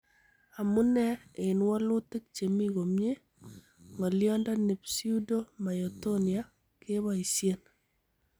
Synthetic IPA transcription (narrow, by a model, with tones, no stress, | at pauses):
a˨mu˦nɛ˦e˨nwɔ˦lu˦te˦k̚t͡ʃe˨mi˦ɣo˨mje˦ | ŋɔ˨ljɔ˦ndɔ˦nɪ˨psi˦u˦do˦ma˨jɔ˨tonia | ke˦βa˨i˨sje˦n